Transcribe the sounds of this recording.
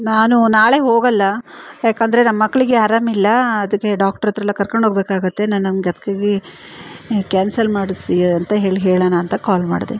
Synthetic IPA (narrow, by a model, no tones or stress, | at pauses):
naːnunaːɭe̞ɦo̞ːɡɐlːɐjaːkɐnd̪ɐɾe̞nɐmːɐkːɐɭiɡe̞ɐɾamilːɐːd̪ɐkːe̞ɖaːkʈɐɾɐt̪ːɾɐlːɐkɐɾkoɳɖʱɦoɡbeːkaːɡɐt̪ːe̞nɐnːɐnɡeɐt̪ɐ̥kaːɡi | kaːnsɐlmaːɽisiɐnt̪ɐɦeːɭiɦeːɭɐnaːnt̪ɐkaːlma̰ːɖid̪e